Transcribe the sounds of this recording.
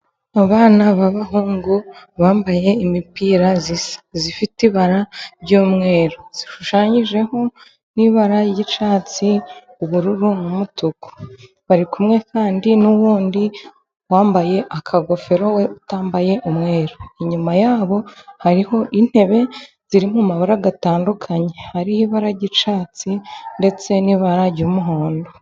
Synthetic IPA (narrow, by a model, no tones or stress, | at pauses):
aβaːnaβaβaɦuːŋɡuβaːmbaje̞imipiːɾazisḁzifitiβaɾaɾɟoːmŋe̞ːɾoz̥iʃuʃaːɲiʒe̞ho̞ | niβaɾajiʃaːt͡si | uβuɾuɾunumutuko̥ | βaɾikumŋe̞kaːndinuwuːndi | waːmbaje̞ʔakʰaɡo̞fe̞ɾo̞weutaːmbaje̞ʔumŋe̞ːɾoiɲumajaːβo̞haɾiho̞ʔin̥he̞βe̞ | z̥iɾimumaβaɾaɡataːndukʰaɲe̞haɾihiβaɾaɟit͡ʃaːt͡sinde̞t͡se̞niːβaɾaɾɟuːmuɦo̞ːndo